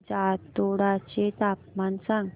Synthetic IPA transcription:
t͡ɕat̪oɽat͡ɕet̪ap̚mansaŋ

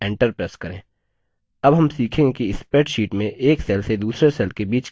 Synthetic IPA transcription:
ɛ̃ːɳʈəɾpɾeːskɐɾẽː | ɐbɦɐmsiːkʰẽŋɡekiɪspeːʈʃiːʈmẽʔeːksɛːlsed̪uːsɾesɛːlkebiːt͡ʃ

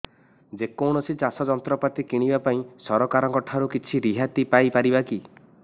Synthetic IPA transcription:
d͡ʒekowɽ̃ɔsit͡ʃasɔd͡ʒɔnt̪ɾɔpat̪ikiɽ̃ibapaĩsɔɾɔkaɾɔŋkɔʈʰaɾukit͡ʃʰiɾiɦat̪ipajpaɾibaki

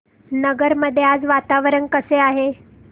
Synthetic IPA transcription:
nəɡəɾməd̪ʱːjead͡zʋat̪aʋɾənkəseaɦe

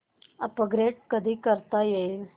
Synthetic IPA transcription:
əpəɡɾeʈ̚kəd̪ʱiːkəɾt̪ajel

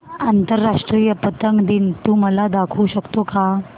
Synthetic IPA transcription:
ant̪əɾːaʂʈɾijəpət̪əŋɡd̪int̪uːməlad̪akʰuːɕəkt̪oka

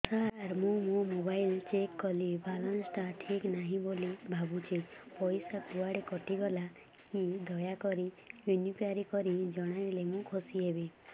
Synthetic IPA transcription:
saɾaɾmũmũmobajlt͡ʃekːɔlibʱalansʈaʈʰiknaɦĩbolibʱabut͡ʃʰepɔjsakuaɽekɔʈiɡɔla | kid̪ʱɔjakɔɾi | junipʰaɾikɔɾid͡ʒɔɽ̃aɾelemũkʰosiebe

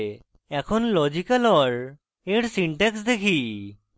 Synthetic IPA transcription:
ɛkʰonlɔd͡ʑikalɔɾ | eɾsiɳʈeksd̪ekʰi

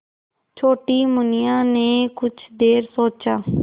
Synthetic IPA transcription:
t͡ʃʰoːʈiːmʊnɪjãːneːkʊt͡ʃʰd̪eːɾsoːt͡ʃaː

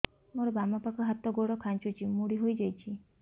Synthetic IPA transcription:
moɾɔbamapakɔɦat̪ɔɡoɽɔkʰant͡ʃut͡ʃʰimuɽiɦojd͡ʒajt͡ʃʰi

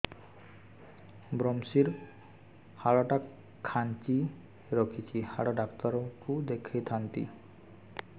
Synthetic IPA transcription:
bɾɔmsiɾ | haɽɔʈa | kʰːant͡ʃi | ɾɔkʰit͡ʃʰihaɽɔɖakt̪ɔɾɔkud̪ekʰijt̪ʰant̪i

